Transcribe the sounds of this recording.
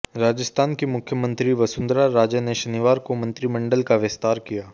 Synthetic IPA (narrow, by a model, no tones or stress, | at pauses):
ɾaːd͡ʒəst̪aːnkimʊkʰjəmə̃nt̪ɾiʋɐsʊ̃nd̪ɾaɾaːd͡ʒəneʃɐniʋaːɾkomɐ̃nt̪ɾimɐ̃ɳɖəlkaʋɪst̪aːɾkijaː